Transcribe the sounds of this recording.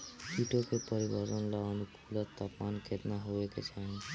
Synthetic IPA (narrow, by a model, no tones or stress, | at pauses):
siʈokepɔɾibaɾonlaɔnukʰulaɾt̪apmanket̪naɦoeket͡ʃʰan